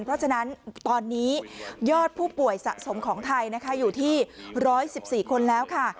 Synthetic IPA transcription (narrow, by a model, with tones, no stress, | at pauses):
npʰɾɔ˦˥t͡ɕʰa˧na˦˥nt̪ɔː˧nːiː˦˥jɔː˥˩t̪̚pʰuː˥˩pu˨˩əjsa̰˨˩ʔso˩˦mkʰɔː˩˦ŋt̪ʰa˧jna˦˥kʰa˦˥juː˨˩t̪ʰiː˥˩ɾɔː˦˥jsi˨˩p̚siː˨˩kʰo˧nlɛː˦˥wkʰa˥˩